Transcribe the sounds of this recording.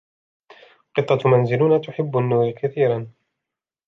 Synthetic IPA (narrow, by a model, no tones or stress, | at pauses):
qɨt̪ˤːɑmanzɪlʊnaːt̪ʊħɪbːanːuːɾkaθiːɾan